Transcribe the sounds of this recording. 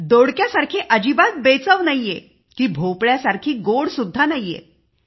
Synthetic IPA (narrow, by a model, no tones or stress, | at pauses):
d̪oɽkjasaɾkʰiːʔəd͡ʑibat̪̚bet͡səʋnajːe | kiːbʱopɭjasaɾkʰiːɡoɽsud̪ʱːanajḛ